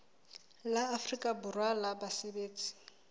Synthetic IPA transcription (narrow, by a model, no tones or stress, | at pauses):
laːfrikʼabʊrwalabasebeːt͡sʼi̥